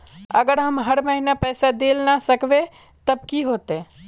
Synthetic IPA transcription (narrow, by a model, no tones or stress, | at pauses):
əɡəɾɦəmɦəɾməɦinapɛːsad̪eːlnasəkʋe | t̪əbkiɦoːt̪ẽ